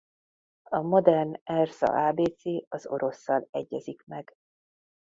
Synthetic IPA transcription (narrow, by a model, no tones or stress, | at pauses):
ɒmo̞d̪ɛrnɛrzɒ̰ʔaːbeːt̪seːɒzo̞̰ɾo̞sːɒlɛɟːɛzikmɛɡ̥